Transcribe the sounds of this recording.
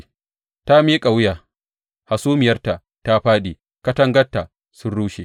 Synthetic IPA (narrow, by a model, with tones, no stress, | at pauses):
ta˦miː˦kʼa˨wjaː˨ | ha˨suː˦mɪ˨jɐ˦rta˨ | ta˦ɸaː˦ɗiː˨ | kɐ˦tɐ˦ŋɡɐ˦tːa˨ | sʊ˦nɽuː˦ʃe˨